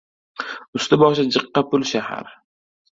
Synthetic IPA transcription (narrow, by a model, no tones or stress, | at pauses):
ʊst̪ɪbɒʃad͡ʒɨqːɑpʊlʃaha̰ɾ